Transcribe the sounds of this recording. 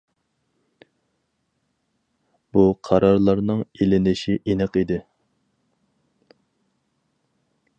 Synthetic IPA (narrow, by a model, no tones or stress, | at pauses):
b̥uqʰɑɾɑɾlˠɑɾnɨŋelɪnɪʃiʔenɨqid̪ɪ